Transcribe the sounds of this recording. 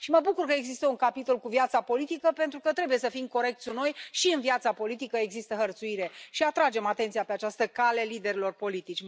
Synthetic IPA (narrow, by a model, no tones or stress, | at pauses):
ʃiməbukurkəeɡzist̪əuŋkapit̪o̞lkuvjat̪sapo̞lit̪ikəpe̞nt̪ɾukət̪ɾe̞buje̞səfimko̞ɾe̞k̚t̪sʲuno̞jʃiɨnviat̪sapo̞lit̪ikəe̞ɡzist̪əɦərt̪suiɾe̞ʃiat̪ɾad͡ʒe̞mat̪e̞nt̪sijape̞at͡ʃast̪əkale̞lid̪e̞ɾilo̞rpo̞lit̪it͡ʃʲ